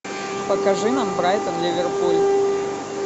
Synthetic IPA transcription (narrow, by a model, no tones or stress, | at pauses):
pəkɐʐɨnambɾajt̪ənlʲɪvʲɪrpulʲ